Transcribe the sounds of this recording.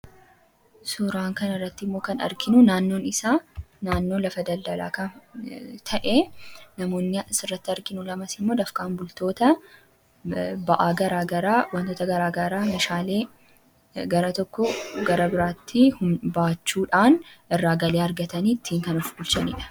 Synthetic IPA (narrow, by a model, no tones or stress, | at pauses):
sʊɾaːŋkɐnɐrːɐt̪ːɪmːo̞ːkɐnɐ̰ɾkɪnʊnaːnːo̞ːnɪsaːnaːnːo̞ːlɐfɐd̪ɐld̪ɐla̰ːkɐnt̪ʰɐʔeːnɐmo̞ːnːɪsɪrːɐt̪ːɪɐɾkɪnʊlɐmɐsɪmːo̞ːd̪ɐfkaːnbʊlt̪o̞ːt̪ɐ | bɐʔaːɡɐɾaːɡɐɾaːwɐnt̪o̞ːt̪ɐɡɐɾaːɡɐɾaːmɐʃaːle̞ː | ɡɐɾɐt̪ɔkːɔɡɐɾɐbɪɾaːt̪ːɪhʊmbaːt͡ʃːuːᶑaːnɪrːaːɡɐleːɐɾɡɐt̪ɐnit̪ʰːiːŋkɐnɔfbʊlt͡ʃɐnḭᶑɐ̥